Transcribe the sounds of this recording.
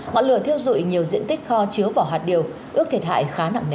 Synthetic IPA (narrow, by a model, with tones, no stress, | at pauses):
ŋɔ̰˧˨jlɨ̰˧˨ət̪ʰi˧əwzṵ˧˨jɲi˨˩əwzḭ˧˨ənt̪ï˦˥k̟̚xɔ˧t͡ɕi˨˦əwvaː˨˩wɦwaː˨˩t̚ɗi˨˩əw | ʔɨ˦˥ək̚t̪ʰi˦˥˩t̚ha̰ː˧˨jxaː˨˦na̰ː˧˨ŋne˧